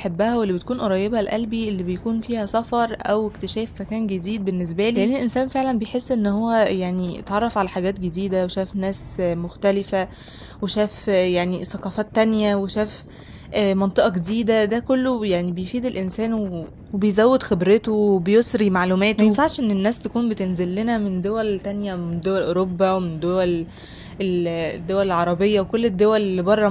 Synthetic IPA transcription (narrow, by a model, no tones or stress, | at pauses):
ʔħebːæhæwelːibet̪̚kuːnʔoɾˤɑjːebɑlʔælbiʔelːibejkuːnfiːhæsɑfɑɾˤʔæwekt̪eʃæːfmækæːnɡed̪iːd̪̚benːes̬bæliːʔenːelʔensæːnfeʕlænbejħesːʔenːhowːæjaʕniḛt̪ʕɑrˤːɑfʕalæħaɡæːt̪̚ɡed̪iːd̪æweʃæːfnæːsmoxt̪ælɪfæ | weʃæːfjaʕnisɑqɑːfɑːt̪ːænjæweʃæːf | ʔːmɑnt̪ˤeʔɑɡed̪iːd̪æd̪ækolːojaʕnibejfiːd̪elʔensæːnwee | webejzæwːed̪xebɾet̪oebejosɾimaʕlumæːt̪jenfaʕʃʔenːenːæːst̪ækuːnbet̪enzelːenæmend̪owælt̪ænjæmend̪owælʔoɾobːæwemend̪owæl | eld̪ːowælelʕɑɾˤɑbejːæwekolːed̪ːowælbɑrˤːɑ